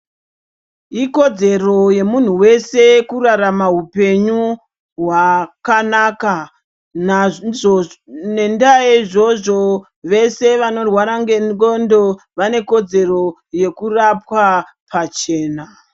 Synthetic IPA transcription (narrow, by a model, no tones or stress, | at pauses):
iko̞d͡ze̞ro̞je̞mun̤uwe̞se̞kuraramaɦupe̞ɲu | ɦwakanaka | n | ne̞ndajeʐoʐo | ʋe̞se̞ʋano̞rwaɾaŋɡenɡondo̞ | ʋane̞ko̞d͡ze̞ro̞ | je̞kurapwa | pat͡ʃe̞ːna